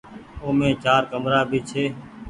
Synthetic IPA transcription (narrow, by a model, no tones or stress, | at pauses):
oːmẽːt͡ʃaːɾkəmɾaːbʱiːt͡ʃʰeː